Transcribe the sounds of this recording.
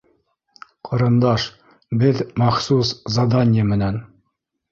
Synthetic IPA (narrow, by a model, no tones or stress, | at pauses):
qʰɤ̆ɾɤ̆nd̪ɑʃ | bɘðmɑχsuszɑd̪ɑnʲɪjəmɘ̆næn